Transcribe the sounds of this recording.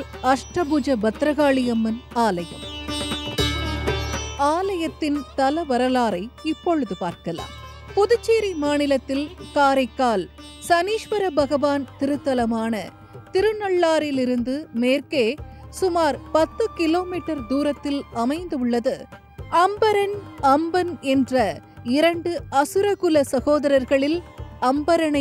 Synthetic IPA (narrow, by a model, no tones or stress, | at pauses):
ɐʂʈɐbʊd͡ʒɐbɐt̪ɾɐɣaːɭɪjɐmːɐnaːlɐjɐ̰m | aːlɐjɐt̪ːɪnt̪ɐlɐʋɐɾɐlaːɾɐɪɪpːɔɻɯðɯpaːɾkɐla̰ːm | pʊðʊt͡ʃːeːɾimaːnɪlɐt̪ːɪlkaːɾɐɪkːaːl | sɐniːʂʋɐɾɐbɐɣɐʋaːnt̪ɪɾɯt̪ːɐlɐmaːnɐ̰ | t̪ɪɾɯnɐɭːaːɾɪlɪɾɯnd̪ɯmeːrkeːsʊmaːɾpɐt̪ːɯkɪloːmiːʈːɐɾd̪uːɾɐt̪ːɪlɐmɐɪnd̪ɯʊɭːɐðɯ | ɐmbɐɾɐnɐmbɐnɛndrɐɪɾɐɳɖɯɐsɯɾɐɣɯlɐsɐɣoːðɐɾɐɾɣɐɭɪlɐmbɐɾɐnɐ